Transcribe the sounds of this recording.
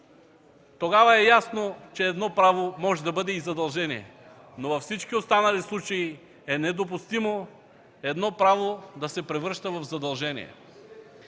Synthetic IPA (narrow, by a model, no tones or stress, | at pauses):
t̪oɡavɐɛjasnot͡ʃɛːd̪nɔpɾavomɔʒɛd̪ɐbɤd̪ɛizɐd̪ɐlˠʒɛniɛ̰ | novɐfsit͡ʃkiot̪st̪anɐlislˠut͡ʃɐi | ɛnɛd̪op̬ust̪imo | ɛd̪nɔpɾavod̪ɐsɛpɾɛvɾɤʃt̪əvɐvzɐd̪ɐlˠʒɛnḭɛ̰